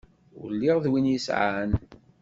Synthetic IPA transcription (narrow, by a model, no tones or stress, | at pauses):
ʊ̰lːiʁðwinjisʕa̰n